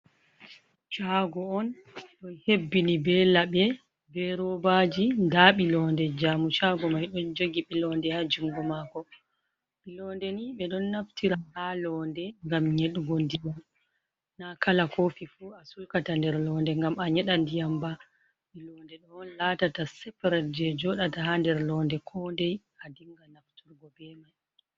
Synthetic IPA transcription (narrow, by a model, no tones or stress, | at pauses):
t͡ʃaɡɔɔn | ɗɔnhebːinibɛlaɓɛ | bɛɾɔbad͡ʒindaɓilɔːndɛd͡ʒaːmut͡ʃaɡɔmajɗɔnd͡ʒoɡiɓilɔndɛhad͡ʒuŋɡɔmakɔ | ɓilɔndɛniɓɛɗɔnːaftiɾahalɔndɛŋɡamɲeɗuɡɔndijam | nakalakʰofifuasujkatandɛɾlɔndɛŋɡamaɲɛɗandijamba | ɓilɔndɛɗɔnlatatasɛpaɾɛt̚d͡ʒɛd͡ʒɔɗatahandɛɾlɔːndɛkʰɔndɛj | adiŋɡanaftuɾɡɔbɛmaj